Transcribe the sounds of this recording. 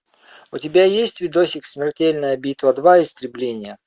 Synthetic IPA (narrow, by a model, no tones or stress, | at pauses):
ʊtʲɪbʲajesʲtʲvʲɪd̪osʲɪkʲsmʲɪrtʲelʲnəjəbʲit̪vəd̪vaɪst̪ɾʲɪblʲenʲɪjə